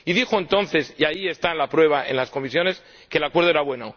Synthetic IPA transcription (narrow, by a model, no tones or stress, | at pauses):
iðixoent̪o̞nθe̞siaie̞st̪anlapɾwe̞β̞ae̞̰nlasko̞misjo̞ne̞s | keːlakweɾð̞oeɾaβwe̞no